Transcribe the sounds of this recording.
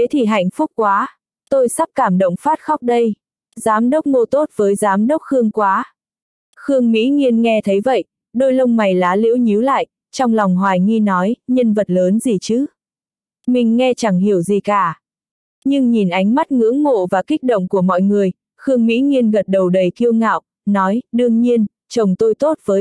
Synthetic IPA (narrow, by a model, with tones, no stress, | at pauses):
t̪ʰe˨˦t̪ʰi˨˩ɦa̰˧˨jŋ̟fʊ˦˥k͡p̚kwaː˨˦ | t̪o˧jsa˦˥p̚kaː˧˩mɗə̰˧˨wŋ͡mfaː˦˥t̚xɔ˦˥wk͡p̚ɗə˧j | zaː˨˦mɗə˦˥wk͡p̚ŋo˧t̪o˦˥t̚vəː˨˦jzaː˨˦mɗə˦˥wk͡p̚xɨ˧əŋkwaː˨˦ | xɨ˧əŋmḭ˧˥ŋi˧ənŋɛ˧t̪ʰə˨˦jvə̰˧˨j | ɗo˧jlə˧wŋ͡mma˨˩jlaː˨˦lḭ˧˥wɲi˨˦wla̰ː˧˨jʔ | t͡ɕɔ˧wŋ͡mlɔ˨˩wŋ͡mɦwaː˨˩jŋi˧nɔ˨˦jɲə˧nvə˨˩t̚ləː˨˦nzi˨˩t͡ɕɨ˨˦ | mï˨˩ŋ̟ŋɛ˧t͡ɕa˧˩ŋɦi˧˩əwzi˨˩kaː˧˩ | ɲɨ˧ŋɲi˨˩nʔa˨˦jŋ̟ma˦˥t̚ŋɨ̰˧˥əŋːo̰˧˨vaː˨˩ki˦˥k̚ɗo̰˧˨ŋ͡mku˧˩əmɔ̰˧˨jŋɨ˨˩əj | xɨ˧əŋmḭ˧˥ŋi˧ənɣə˨˩t̚ɗə˨˩wɗə˨˩jk̪i˧əwŋa̰ː˧˨w | nɔ˨˦jɗɨ˧əŋɲi˧ən | t͡ɕə˨˩wŋ͡mt̪o˧jt̪o˦˥t̚v̥əː˨˦j